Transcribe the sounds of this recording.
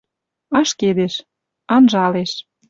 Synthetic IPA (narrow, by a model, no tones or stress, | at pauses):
ɑʃked̪eʃ | ɑnʒɑleʃ